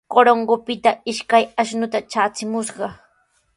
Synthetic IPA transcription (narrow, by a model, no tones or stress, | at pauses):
koɾoŋɢopɪt̪aɪʃkajaʃnʊt̪at͡ʃaːt͡sɪmʊʃɢɑ